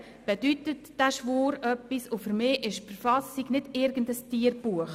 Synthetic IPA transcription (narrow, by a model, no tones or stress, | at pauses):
b̥ed̥ytətd̥æʃvoːɾœpːisofəɾmɪːʔɪʃfəɾfɑsiɡnɪdɪɾɡ̥ən̩dəstiəɾb̥uəχ